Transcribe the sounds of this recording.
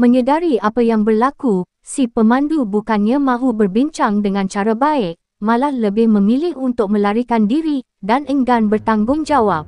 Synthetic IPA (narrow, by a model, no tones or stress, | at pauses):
mə̃ɲədaɾiapajaŋbərlaku | sipəmãndubukanɲãmãɦubərbiɲt͡ʃaŋdəŋãnt͡ʃaɾabaɪk̚ | mãlahləbɪhmə̃milɪhunt̪ʊk̚mə̃laɾikandiɾi | danəŋɡanbərt̪aŋɡʊŋd͡ʒawap̚